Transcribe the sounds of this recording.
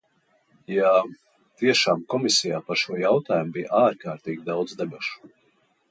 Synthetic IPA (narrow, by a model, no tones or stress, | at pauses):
ja | t̪iɛʃaːmkɔmisijaːpaɾʃuɔjawt̪aːjumbijʔaːɾkaːɾt̪iːɡʲid̪awd̪zd̪abʲuʃu̥